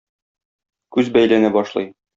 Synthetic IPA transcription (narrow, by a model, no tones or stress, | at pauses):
kʉzbæjlænæbɒʃlˠɤ̰j